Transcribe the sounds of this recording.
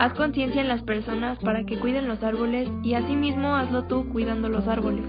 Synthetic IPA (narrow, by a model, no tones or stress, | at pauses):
asko̞nsje̞nsjaenlaspe̞ɾso̞naspaɾake̞kwiðe̞nlo̞saɾβo̞le̞siasimizmo̞azlo̞t̪ukwiðand̪o̞lo̞saɾβo̞le̞s